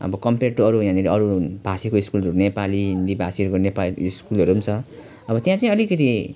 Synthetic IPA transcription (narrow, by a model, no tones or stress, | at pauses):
ʌ̰bʌkʌmpeʈːoʌɾujãniɾiʌɾub̥ʱasikoiskulʌɾunepaliɦind̪ibʱasiʌɾukonepaiskulʌɾunt͡sʰʌ | ʌbʌt̪jãt͡saĩʌlikʌt̪̬i